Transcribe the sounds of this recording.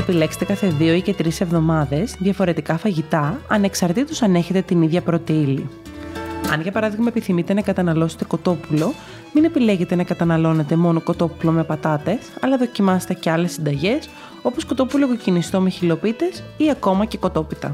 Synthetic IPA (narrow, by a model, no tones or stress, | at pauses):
epile̞kse̥t̪ekɐθeðio̞ice̞t̪ɾise̞vðo̞mɐðe̞zðʝɐfo̞ɾe̞t̪ikɐfɐʝit̪ɐɐne̞ksɐɾt̪it̪osɐne̞çet̪e̞t̪iniðʝɐpɾot̪eili | ɐ̰nʝɐpɐɾɐðiɣmɐepiθimit̪enɐkɐt̪ɐnɐlo̞se̥t̪e̞ko̞t̪o̞pulo̞ | mine̞pile̞ʝe̞t̪e̞nɐkɐt̪ɐnɐlo̞ne̞t̪e̞mo̞noko̞t̪o̞pulo̞mepɐt̪ɐt̪e̞sɐ̰lɐðo̞cimɐse̥t̪e̞ceɐle̞sːind̪ɐʝe̞s | o̞posko̞t̪o̞pulokocinist̪o̞meçilo̞pit̪e̞siɐko̞mɐce̞ko̞t̪o̞pit̪ɐ̰